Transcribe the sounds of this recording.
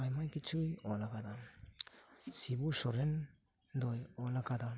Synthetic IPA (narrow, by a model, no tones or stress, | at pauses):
ajmajkit͡ʃujɔlaɡada | sibusɔɾendɔjɔlaɡada